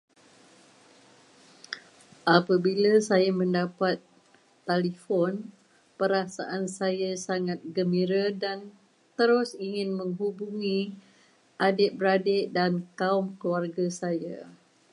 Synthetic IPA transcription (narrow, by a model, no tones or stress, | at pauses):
ʔapabilasajamə̃ndapat̪ː | alifɔn | pəɾasaʔansajasaŋãt̪̚ɡəmiɾadan | t̪əɾʊsiŋɪnmə̃ŋɦubuŋĩ | ʔadɪʔ̚bəɾadɪʔdankaumkluarɡasaja̰